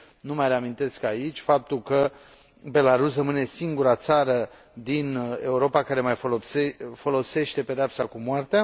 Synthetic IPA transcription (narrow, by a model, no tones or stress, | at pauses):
numajre̞amint̪e̞skait͡ʃʲfap̚t̪ulkə | be̞laɾusrəmɨne̞siŋɡuɾat̪saɾə | d̪ine̞uɾo̞pakaɾe̞majfosefo̞lo̞se̞ʃt̪e̞pe̞d̪eapsakumoart̪ea